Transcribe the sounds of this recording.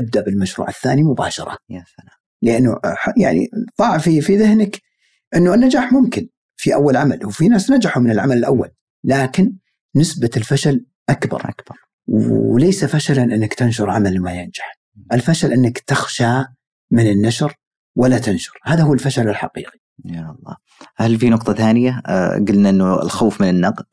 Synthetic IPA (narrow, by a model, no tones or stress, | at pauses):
ʔab̚d̪aʔbɪlmaʃɾṵːʕɪθːaːnimʊba̰ːʃɑ̰ɾˤɑ̰ | ləʔanːṵħja̰ʕnḭðˤɑːʕfifiðɪhnɪk | ʔɪnːuʔɪnːad͡ʒaːħmʊmkɪn | fiʔa̰wːalʕamalwfinaːsnad͡ʒaħumɪnɪlʕamalɪlʔawːa̰lː | aːkɪnː | ɪsbaɪlfaʃal | ʔakbɑ̰ɾˤ | wlejsafaʃalanʔɪnːakt̪anʃʊɾˤʕamalmajɪnd͡ʒḁħ | ʔɪlfaʃalʔɪnːakt̪ɪxʃa | mɪnɪnːaʃɾ | walːat̪ɪnʃʊ̥ɾhaːðahuːlfaʃalɪlħa̰qḭːqi̥ | jaɑlˤːɑ̰ː | halfinʊqt̪ˤɑθaːnɪja̰ɡɪlnaʔɪnːuɪ̰lxaːfmɪnɪnːɑql